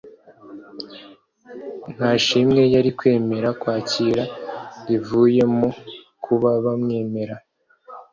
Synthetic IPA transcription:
n̥haʃimŋe̞jaɾikwe̞ːme̞ɾakwaːciɾaɾivuːje̞mo | kʰuβaβamŋe̞ːme̞ɾa

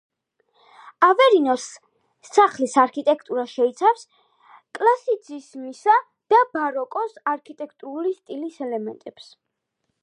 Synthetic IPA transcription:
avɛɾinɔsːʰ | aχlisaɾkʰit̪ʼɛkʰt̪ʼuɾaʃɛit̪sʰafs | kʼlˠasid̪zismisa | d̪̥abaɾɔkʼɔsaɾkʰit̪ʼɛkʰt̪ʼuɾulist̪ʼilisɛlɛmɛnt̪ʼɛps

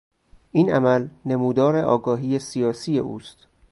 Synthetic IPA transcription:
ʔiːnʔæmælne̞muːd̪ɒːɾe̞ʔɒ̰ːɡɒːɦiːjesijɒːsiːje̞̰ʔuːst̪

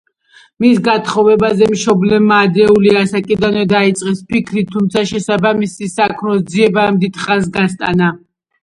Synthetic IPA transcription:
misɡat̪ʰχɔvɛbazɛmʃɔblɛmaːd̪ɾɛuliasakʼid̪anvɛd̪ait̪sʼqʼɛspʰikʰɾit̪ʰːumt̪sʰaʃɛsabamisisakʰmɾɔsd̪ziɛbamd̪it̪ʰχas̬ɡast̪ʼa̰na

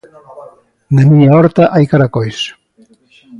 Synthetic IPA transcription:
namiɲaɔɾt̪aʔajkaɾakojs

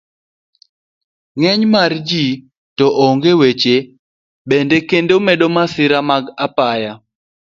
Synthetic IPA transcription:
ŋɛɲmard͡ʒi | tɔʔoŋɡewet͡ʃe | bendekendomeɗomasɪɾamaɡapaja

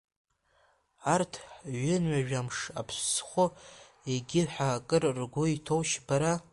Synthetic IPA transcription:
artʰɥɪnɥaʒᶣamʂa̰pʰɕsχʷo | eɡʲɪlħakʼɨrrɡʷʊitʰowʃbaɾa

